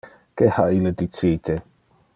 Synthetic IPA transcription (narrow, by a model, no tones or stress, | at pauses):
kehailəd̪itʰitʰe